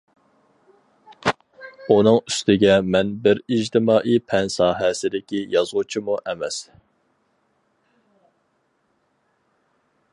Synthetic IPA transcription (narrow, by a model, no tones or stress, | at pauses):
unɨŋyst̪ʰɪɡʲɛmɛnbɪɾid͡ʒt̪ʰɪmɑːʔipʰɛnsɑːɦɛsɪd̪ɪkʲijɑzʁut͡ʃʰimuʔɛmɛs